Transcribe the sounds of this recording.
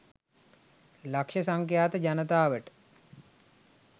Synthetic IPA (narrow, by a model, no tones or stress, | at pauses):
lakʃəsaŋkjaːt̪əd͡ʑanət̪aːʋəʈə̥